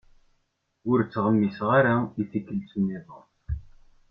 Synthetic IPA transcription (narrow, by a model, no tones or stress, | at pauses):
ʊɾt͡sːʁəmːisʁaɾaiθikːəlt͡sunːiðˤə